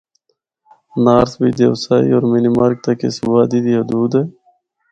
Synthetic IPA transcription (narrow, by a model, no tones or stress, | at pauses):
naːɾsbid̪ewsaːḭoːɾminimaːɾk̚t̪ɐkeswaːd̪id̪iɦʊd̪uːd̪eː